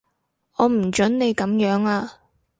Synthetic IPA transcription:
ɔː˨˧m̩˨˩t͡ʃɵ˨˥nne˨˧jkɐ˨˥mjœː˨˥ŋaː˧

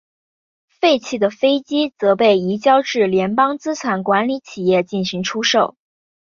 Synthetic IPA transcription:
fe˥˧ɪt͡ɕʰi˥˩d̪ə˩fe˥ɪt͡ɕi˥t͡sɤ˧˥pe˥˩ɪi˧˥t͡ɕjɑ˥ʊʈ͡ʂɻ̩˥˩ljɛ˧˥npɑ˥ŋt͡sɹ̩˥t͡sʰwa˧˥nkwa˧˥nli˧˥t͡ɕʰi˨˩jɛ˥˧t͡ɕi˥˩nɕi˧˥ŋʈ͡ʂʰu˥ʂo˥˩ʊ

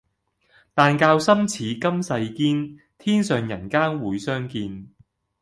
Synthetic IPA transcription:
t̪aː˨nkaː˧wsɐ˥mt͡sʰiː˨˥kɐ˥msɐ˧jkiː˥n | t̪ʰiː˥nsœː˨˩ŋjɐ̰˨˩nkaː˥nwuː˨˧jsœː˥ŋkiː˧n

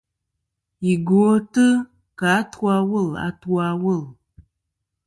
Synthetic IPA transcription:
i˨ɡo˨˦tɨ˦ | ka˨˦twa˦wə˦˨la̰˨˦twa˦wə˦˨l

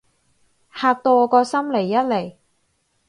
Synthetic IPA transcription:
haː˧k̚t̪ɔː˧kɔː˧sɐ˥mle˨˩jːɐ˥t̚le˨˩j

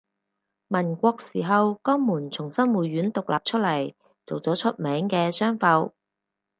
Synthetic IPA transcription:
mɐ˨˩nkʷɔː˧k̚siː˨˩ɦɐ˨wkɔː˥ŋmuː˨˩nt͡sʰʊ˨˩ŋsɐ˥nmuː˨ɥyː˨˥nt̪ʊ˨k̚lʔa̰ː˨p̚t͡ʃʰɵ˥t̚lɐ˨˩j | t͡so˨wt͡sɔː˨˥t͡ʃʰɵ˥t̚mɛː˨˥ŋkɛː˧sœː˥ŋfɐ˨˧w

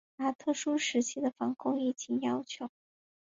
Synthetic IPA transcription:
na˧˥t̪ʰɤ˥˩ʂu˥ʂɻ̩˧˥t͡ɕʰi˥d̪ə˨fɑ˧˥ŋkʰʊ˥ŋi˥˩t͡ɕʰi˧˥njɑ˥ʊt͡ɕʰjo˧˥ʊ

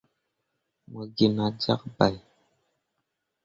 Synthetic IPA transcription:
mo˨ɡi˨ma˨d͡za̰˦k̚ba˨j

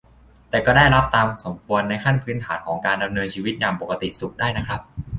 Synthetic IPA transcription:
t̪ɛː˨˩kɔː˥˩daː˥˩jɾa˦˥p̚t̪aː˧mso˩˦mkʰu˧ənːa˧jkʰa˥˩npʰɯː˦˥nt̪ʰaː˩˦nkʰɔː˩˦ŋkaː˧nda˧mnɤː˧nt͡ɕʰiː˧wi˦˥t̪̚jaː˨˩ŋpo˨˩kːa˧t̪ḭ˨˩su˨˩k̚daː˥˩jna˦˥kʰɾa˦˥p̚

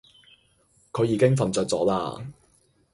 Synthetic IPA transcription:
kʰɵ˨˧ɥjiː˨˧kɪ˥ŋfɐ˨˩nt͡sœː˧t̚t͡sɔ̰ː˨˥la̰ː˧

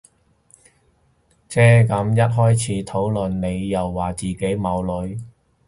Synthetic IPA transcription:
t͡sʰɛː˥kɐ˨˧˥mjɐ˥t̚ɦɔː˥jt͡sʰiː˨˥t̪ʰo˨˥wlɵ˨nne˨˧jːɐ˨˩wːaː˨˩t͡siː˨˩ke˨˥jmɐ˨˧wlɵ˨˧ɥ

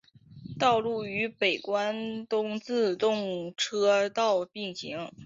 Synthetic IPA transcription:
t̪ɑ˥˧ʊlu˥˩y˧˥pe˨˩ɪkwa˥nt̪ʊ˥ŋt͡sɹ̩˥˧t̪ʊ˥˩ŋʈ͡ʂʰɤ˥t̪ɑ˥˧ʊpi˥˩ŋɕḭ˧˥ŋ

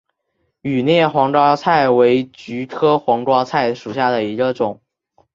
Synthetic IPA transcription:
y˨˩njɛ˥˩xwɑ˧˥ŋʈ͡ʂwɑ˥t͡sʰa˥˩ɪwe˧˥ɪt͡ɕy˧˥t̪ʰɤ˥xwɑ˧˥ŋʈ͡ʂwɑ˥t͡sʰa˥˩ɪʂu˨˩ɕja˥˩d̪ə˩i˧˥ɡə˧ʈ͡ʂʊ˨˩˦ŋ

